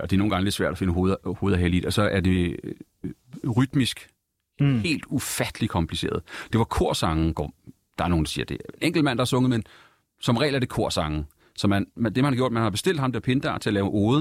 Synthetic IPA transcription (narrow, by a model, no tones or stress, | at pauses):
ɒ̽d̥eɐno̝ːn̩ɡɑ̈ŋəle̝d̥sʋæɐd̥æfe̝nəɦoːð̩ˠhoːð̞̩ˠæɦelid̥ɒ̽sɒ̽ʔæɐd̥e̝ | ʁyd̥misɡ̥ | he̝̰ːld̥ufæd̥əlikʰɒ̽mpʰlise̝̰ːɐð̞̩ˠd̥e̝ʋɑ̈kʰo̝ɐ̰sɑ̈ŋn̩ɡ̥ɒ̰ | d̥ɑ̈æɐno̝ːnd̥ɑsiːɐd̥e̝eneŋ̰ɡ̥l̩mæn̰d̥ɑ̈æɐsɔ̽ŋð̩ˠmen | sɒ̽mʁɛ̰ːlæɐd̥e̝kʰo̝ɐ̰sɑ̈ŋn̩ | sɒ̽mænmd̥emænhɑɡjo̰d̥mænhɑ̈b̥e̝sd̥e̝l̰d̥ˠhɑ̈md̥e̝ɐpʰe̝nd̥ɑ̰ːt͡sʰe̝ælɛːʊʔo̝ːðˠ